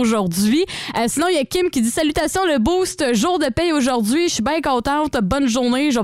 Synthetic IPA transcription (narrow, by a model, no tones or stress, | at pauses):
oʒuʁd̪ɥiəsinɔ̃jakʲɪmkʲid͡z̪zisalyt̪asjɔ̃ləbust̪ʒuːʁd̪əpɛjoʒuʁdzɥiʃibɛ̃kɔ̃ːt̪ɑ̃t̪bɔnʒuʁneʒə